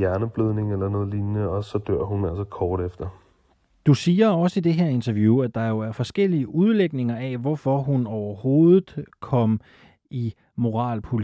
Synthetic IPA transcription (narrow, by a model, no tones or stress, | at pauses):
jæɐnəb̥løð̞ˠne̝ŋelɐnɔ̽ːðˠlinnəɒsɒ̽d̥ø̰ɐ̰hunæl̰sɐkʰɒːɾ̥efd̥ɐ | d̥usiːɐɒ̽səid̥e̝ɦeɐ̰e̝nt͡sʰɐʋjuæd̥ɑ̈jo̝æɐfɒ̽sɡ̥el̰iəʔuð̞ˠleɡ̥ne̝ŋɐɛʋɒfɒ̽ɦunɒʊɐho̝ːðˠð̩ˠkʰɒ̽m̰ | i | mo̝ʁɑ̰̈ːlpʰol